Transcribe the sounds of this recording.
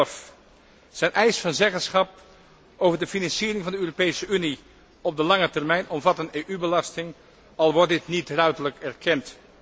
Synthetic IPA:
f | z̥ɛjnʔɛjsfɑnzɛɣəsχɑp̚ | owvəɹdəfinɑnsiːɾɪŋvɑndəøːropejsəyni | ɔb̚dəlɑŋətɛrmɛjnɔmvɑtəneːʔybəlɑstɪŋ | ɑlˠʋɔɹt̚dɪtnitrœɥtələkɛɹkʰɛnt

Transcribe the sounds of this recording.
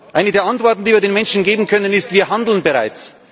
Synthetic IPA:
ʔaɪnədeːɐantv̥ɔɐtn̩diːviːɐdeːnmɛnʃn̩ɡeːbm̩kʰœnənɪstv̥iːɐɦandl̩nbeʁa̰ɪt͡s

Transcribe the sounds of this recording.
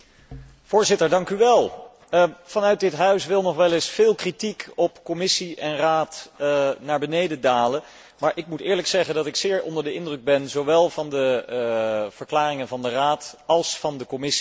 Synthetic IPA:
v̥ʊːɹzɪtəɹdɑŋkyʋɛlˠ | v̥ɑnœɥt̚dɪtɦœɥsʋɪlˠnɔχʋɛlɪsfɪːlˠkritikɔpkɔmɪsiɛnraːtnaːɹbənejdədaːlən | maːɹʔɪk̚mutɪːɹləksɛχəndɑtɪksɪːɹɔ̰ndəɹdəɪndrəɡ̚bɛnzowʋɛlˠvɑndə | v̥əɹklaːrɪŋənvɑndəraːtɑlˠsfɑndəkɔmɪsi̥

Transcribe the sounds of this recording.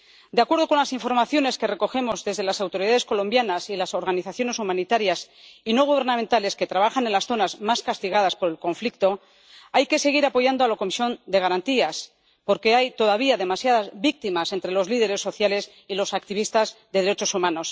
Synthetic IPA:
d̪eakwe̞ɾð̞o̞ko̞nlasiɱfo̞ɾmaθjo̞ne̞ske̞re̞ko̞xe̞mo̞zðe̞zðe̞lasawt̪o̞ɾiðaðe̞sko̞lo̞mbjanasilaso̞ɾɣaniθaθjo̞ne̞sumãnit̪aɾjas | ino̞ɣ̞uβ̞e̞ɾnãmẽnt̪ale̞ske̞t̪ɾaβaxanenlasθo̞nazmaskast̪iɣ̞að̞aspo̞ɾe̞lko̞ɱflik̚t̪o̞ | ajke̞se̞ɣ̞iɾapo̞ʝand̪oalako̞misjo̞nd̪e̞ɣ̞aɾant̪ias | po̞ɾke̞ajt̪o̞ðaβ̞iaðe̞masjaðazβik̚t̪imase̞nt̪ɾe̞lo̞zliðe̞ɾe̞sːo̞θjales | ilo̞sak̚t̪iβ̞ist̪azðeðeɾe̞t͡ʃo̞sumãno̞s

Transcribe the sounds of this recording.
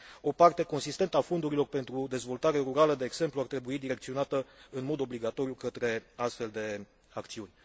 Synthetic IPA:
o̞part̪e̞ko̞nsist̪e̞nt̪əafo̞nd̪uɾilo̞rpe̞nt̪ɾud̪e̞zvo̞lt̪aɾe̞ɾuɾaləd̪e̞ːɡse̞mpluart̪ɾe̞buid̪iɾe̞kt̪sio̞nat̪əɨnmo̞d̪o̞bliɡat̪o̞ɾijukət̪ɾe̞ast̪fe̞ld̪e̞ | akt̪siunʲ

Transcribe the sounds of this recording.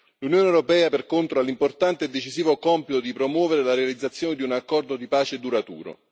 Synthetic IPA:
lunjoːnewɾopɛːaperkont̪ɾoalimport̪ant̪eːd̪ːet͡ʃiziːvokɔmpit̪od̪ipɾomwɔːveɾelaɾealid̪zːat̪sːjoːned̪iunakːɔrd̪od̪ipaːt͡ʃed̪uɾat̪ṵːɾo̰

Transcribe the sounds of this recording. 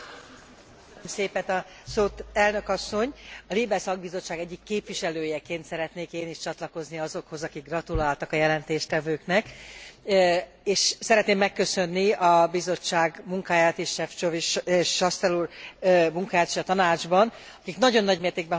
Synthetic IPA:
mseːpɛt̪ɒ | soːt̪ɛlnø̞kɒsːo̞ɲɒliːbɛsɒɡ̚bizo̞t͡ʃːaːɡɛɟːikːeːpviʃɛløːjɛkeːnt̪sɛɾɛt̪neːkeːniʃt͡ʃɒt̪lɒko̞zniɒzo̞kho̞zɒkiɡːrɒt̪ulaːlt̪ɒkɒjɛlɛnt̪eːʃt̪ɛvøːknɛk | eːʃsɛɾɛt̪neːmːɛkːøsø̞nːiɒbizo̞t͡ʃːaːɡmuŋkaːjaːt̪eʃʃɛft͡ʃoviʃʃːɒst̪ɛluːrmuŋkaːjaːt̪eːʃɒt̪ɒnaːd͡ʒbɒn | ɒkiknɒɟo̞nːɒɟmeːrt̪eːɡ̚bɛ

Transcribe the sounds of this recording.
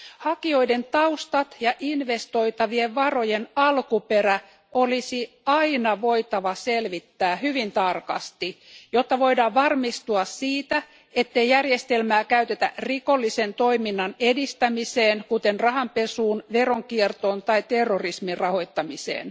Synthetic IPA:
hɑkio̞ide̞nt̪ɑust̪ɑt̪jɑʔinʋe̞st̪o̞it̪ɑʋieʋʋɑro̞jenɑlkupeɾæ | olisi | ɑinɑʋo̞it̪ɑʋɑselʋit̪ːæːhyʋint̪ɑrkɑ̰st̪ijot̪ːɑʋo̞idɑːʋɑrmist̪uɑssiːt̪æ | et̪ːeijjærjest̪elmæːkæyt̪et̪æ̰riko̞lːisent̪oiminːɑnedist̪æmiseːnkut̪enrɑɦɑmpesuːnʋeroŋkiert̪oːnt̪ɑit̪erːorismirrɑho̞jt̪ːɑmisḛːn

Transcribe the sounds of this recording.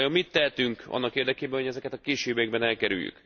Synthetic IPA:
jommit̪ːɛɦɛt̪yŋkɒ̰nːɒkeːrd̪ɛkeːbɛnho̞ɟɛzɛkɛt̪ɒkeːʃeːbeɡ̚bɛnɛlkɛɾy̰ljy̰k

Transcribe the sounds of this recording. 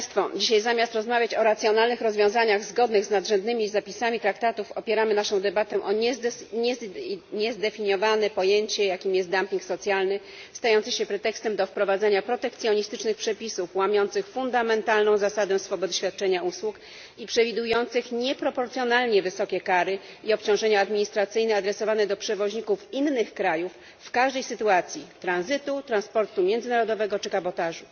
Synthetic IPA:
st̪fɔd͡ʑiɕajzamʲjast̪ɾɔzmavʲjat͡ɕɔɾat̪sʲjɔnalnɘxɾɔzvʲjɔ̃w̃zaɲaɣzɡɔd̪nɘɣznad̪ʐɛnd̪nɘmʲizapʲisamʲit̪ɾakt̪at̪ufɔpʲjɛɾamɘnaʂɔ̃w̃d̪ɛbat̪ɛ̃ʔɔɛɛɲɛzd̪ɛfʲiɲjɔvanɛpɔjeɲt͡ɕɛjakʲimjɛst̪d̪ampʲiŋksɔt̪sʲjalnɘ | st̪ajɔnt̪sɕɛpɾɛt̪ɛkst̪ɛmd̪ɔfpɾɔvad̪zaɲapɾɔt̪ɛk̚t̪sʲjɔɲist̪ɘt͡ʂnɘxpʂɛpʲisufwamʲjɔnt̪sɘxfund̪amɛnt̪alnɔ̃w̃zasad̪ɛ̃sfɔbɔd̪ɕfʲjat̪̚t͡ʂɛɲauswuk | ipʂɛvʲid̪ujɔnt̪sɘxɲɛpɾɔpɔɾt̪sjɔnalɲɛvɘsɔkʲɛkaɾɘ | iɔpt͡ɕɔ̃w̃ʐɛɲaːd̪mʲiɲist̪ɾat̪sɘjnɛad̪ɾɛsɔvanɛd̪ɔpʂɛvɔʑɲikufinːɘxkɾajufː | kaʐd̪ɛjsɘt̪uat̪sʲjit̪ɾanzɘt̪ut̪ɾanspɔɾt̪umʲjɛnd̪zɘnaɾɔd̪ɔvɛɡɔt͡ʂɘkabɔt̪aʐu

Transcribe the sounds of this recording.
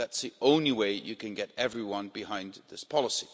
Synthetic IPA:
ðætsðiʔõʊ̃nliweɪjɨkɨ̃nɡɛɾɛvɹiwʌ̃nbɨhãɪ̃nðɪspʰɑlˠəsi

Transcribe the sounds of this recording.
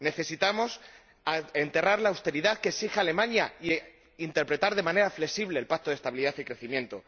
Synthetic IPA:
ne̞θe̞sit̪amo̞s | e̞nt̪eraɾlawst̪e̞ɾiðaðkeksixaale̞mãɲai | int̪e̞ɾpɾe̞t̪aɾðe̞mãne̞ɾafle̞siβleːlpak̚t̪oð̞e̞st̪aβiliðaθikɾe̞θimjẽ̞nt̪o

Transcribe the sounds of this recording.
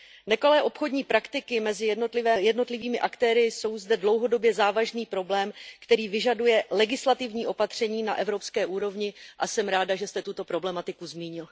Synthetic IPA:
nɛko̞lɛːʔo̞pxo̞dɲiːpɾakt̪ɪkɪmɛzɪjɛdno̞t̪lɪvɛːjɛdno̞t̪lɪviːmɪʔakt̪ɛːɾɪso̞wzdɛdlowɦo̞do̞bjɛzaːvaʒniːpɾo̞blɛːmkt̪ɛɾiːvɪʒadujɛlɛɡɪslat̪ɪvɲiːʔo̞pat̪r̝̥ɛɲiːnaʔɛvɾo̞pskɛːʔuːɾo̞vɲɪʔasɛmɾaːdaʒɛst̪ɛt̪ut̪o̞pɾo̞blɛmat̪ɪkuzmiːɲɪl

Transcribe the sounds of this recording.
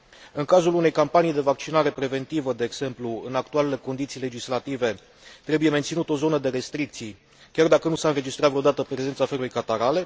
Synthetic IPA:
ɨŋkazulune̞jkampanijd̪e̞vak̚t͡ʃinaɾe̞pɾe̞ve̞nt̪ivəd̪e̞ːɡz̥e̞mpluɨnakt̪ualele̞ko̞nd̪it̪sijle̞d͡ʒislat̪ive̞ | t̪ɾe̞buje̞ment̪sinut̪o̞zo̞nəd̪e̞ɾe̞st̪ɾik̚t̪sij | kʲard̪akənusaɨnɾe̞d͡ʒist̪ɾat̪vɾeod̪at̪əpɾe̞ze̞nt̪safe̞ɾulujkat̪aɾale̞

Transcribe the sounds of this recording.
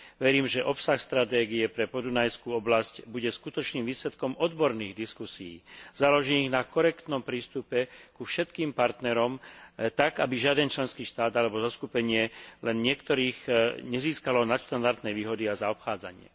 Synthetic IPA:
ʋɛɾiːmʒɛʔɔpsaxst̪ɾat̪ɛːɡiɛpɾɛpɔd̪unajskuːɔblascbuɟɛskut̪ɔt͡ʃniːmʋiːslɛt̪kɔmɔd̪bɔɾniːɣd̪iskusijḭːz̥alɔʒiːniɣnakɔɾɛkt̪nɔmpɾiːst̪upɛkufʃɛt̪kiːmpaɾt̪nɛɾɔmt̪aɡabiʒɪad̪ɛnt͡ʃlɛnskiːʃt̪aːd̪alɛbɔzɔskupɛɲɪɛlɛnɲɪɛkt̪ɔɾiːɣɲɛziːskalɔnat̪ʃt̪and̪aɾt̪nɛjʋiːɦɔd̪iazaɔpxaːd͡za̰ɲɪɛ̰

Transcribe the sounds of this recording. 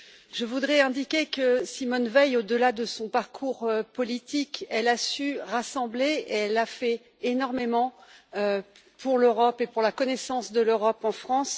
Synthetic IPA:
ʒəvud̪ʁɛɛ̃d̪ikʲekəsimɔnvɛjod̪əlad̪əsɔ̃paʁkʰuʁøpɔlit̪ikɛlasyʁasɑ̃bleeɛlafɛ | enɔʁmemɑ̃ø | pʰuʁløʁɔpepuʁlakɔnɛsɑ̃sd̪əløʁɔpɑ̃fχɑ̃s

